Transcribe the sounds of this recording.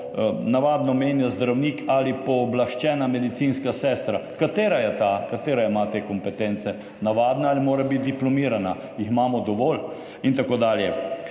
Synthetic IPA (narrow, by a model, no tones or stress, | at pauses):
naʋaːd̪nɔmeːnjazd̪ɾawniːkʰalipɔːblaʃt͡ʃɛːnamɛd̪it̪siːnskasɛːst̪ɾakat̪eːɾajɛt̪aːkat̪eːɾaimat̪ekɔmpɛt̪ent̪sɛ | naʋaːd̪naalimoːɾabit̪d̪iplɔmiːɾana | jiximaːmɔd̪ɔʋɔːl | int̪akoːd̪aːljɛ